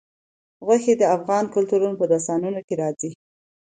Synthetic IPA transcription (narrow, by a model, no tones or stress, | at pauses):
ɣwaxed̪əafɣɑnkʊlt̪uɾunopəd̪asɑnunokeɾɑzi